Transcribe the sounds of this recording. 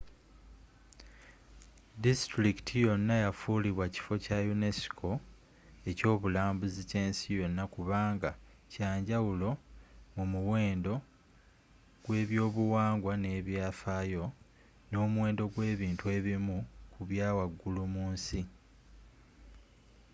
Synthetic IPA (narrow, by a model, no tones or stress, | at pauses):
distɾikitʰijo̞nːajafuːliβwaci̥fo̞cajune̞si̥kʰo̞ | e̞co̞ːβulaːmbuzice̞ːnsijo̞nːakuβaːŋɡa | caːɲɟawulo̞mumuwe̞ːndo̞ | ɡ̥we̞ːβjo̞ːβuwaːŋɡwane̞ːβjaːfaːjo̞ | no̞ːmuwe̞ːndo̞ɡwe̞ːβiːntue̞ːβimukuβjaːwaɡːulumuːnsi